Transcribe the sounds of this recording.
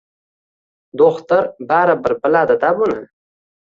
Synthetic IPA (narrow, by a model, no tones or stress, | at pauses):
d̪oxt̪əɾbaɾabəɾbəlad̪ad̪abuna